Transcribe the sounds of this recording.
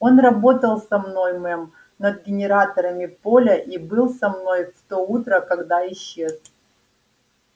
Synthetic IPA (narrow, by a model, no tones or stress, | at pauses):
o̞nrɐbo̞t̪əlˠsɐmno̞jmɛm | nɐd̪̚ɡʲɪnʲɪɾat̪əɾəmʲɪpo̞lʲəʔibɨlˠsɐmno̞jft̪out̪ɾəkɐɡd̪aɪɕːe̞s